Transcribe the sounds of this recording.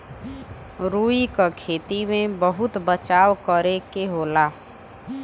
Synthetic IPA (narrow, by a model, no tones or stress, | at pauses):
ɾuːikakʰeːt̪imẽbəɦʊt̪bət͡ʃaːwkəɾekeɦoːlaː